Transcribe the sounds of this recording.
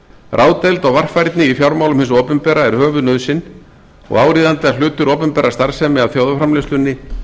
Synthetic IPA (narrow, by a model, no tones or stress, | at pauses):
rʔaːwt̪ɛlt̪ɔɣvar̥fajɾt̪nɪifjawɾmawlʏmhɪnsɔːpʏmpɛːɾaɛɾ̥hœːvʏnœðsɪnː | ɔ̰ɣaːwɾiːðant̪ɪal̥ʏːt̪ʏɾɔːpʏmpɛːɾast̪aɾ̥sɛmɪaðθjowðafɾamlɪst̪ʏnːɪ